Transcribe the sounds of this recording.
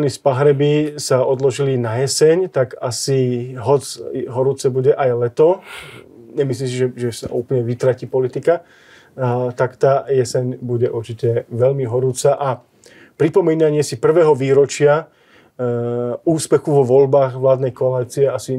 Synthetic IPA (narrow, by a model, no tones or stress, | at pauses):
nispaɦɾɛbisaɔd̪lɔʒilinajɛsɛɲt̪akasiɦɔt͡sɦɔɾuːt͡sɛbuɟɛʔajlɛt̪ɔ | ɲɛmisliːms̬iʒɛʒɛsa̰ʔṵːplɲɛʋit̪ɾaciːpɔlit̪ika | t̪akt̪aːjɛsɛɲbuɟɛʔuɾt͡ʃicɛʋɛʎmiɦɔɾuːt͡saʔa | pɾipɔmiːnaɲɪɛsipr̩ʋɛːɦɔʋiːɾɔt͡ʃɪa | uːspɛxuʋɔʋɔʎbaːɣʋlaːd̪nɛjkɔalit͡siɛasi